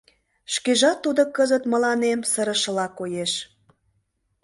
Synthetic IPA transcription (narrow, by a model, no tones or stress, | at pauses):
ʃkeʒɑt̪ːud̪okəzət̪mə̆lɑnemsəɾə̆ʃə̆lɑkojeʃ